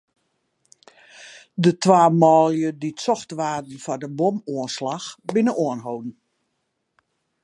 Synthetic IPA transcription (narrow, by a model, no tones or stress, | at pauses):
dətʰʋaːmɔːljəditsɔxtʋaːdn̩fɔdəbomuənslaxbɪnəoənɦowdn̩